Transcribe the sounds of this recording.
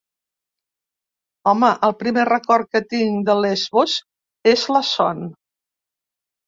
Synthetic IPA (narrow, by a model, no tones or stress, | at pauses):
ɔməʔəlˠpɾimerəkɔɾkət̪iŋd̪əlezβoz | ezləsɔn